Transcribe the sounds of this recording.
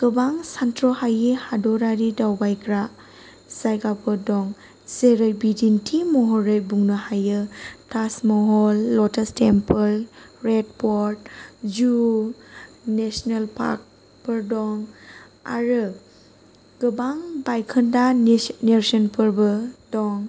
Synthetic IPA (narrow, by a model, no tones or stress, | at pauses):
ɡ̥ɯbaŋsantʰɾɔhajihadɔɾaɾidawbajkʰɾa | sajɡapʰɔɾdɔŋ | zeɾɯjbidintʰimɔɦɔɾɯjbuŋnɯhajɯtasmɔɦɔlːɔtʰastempʰɯlɾed̚pʰɔɾtd͡ʒu | nesnelpʰa̰k̚ | pɯɾdɔŋ | a̰ɾɯ | ɡ̥ɯbaŋbajkʰɯndaneɾsɔnpʰɯɾbɯdɔŋ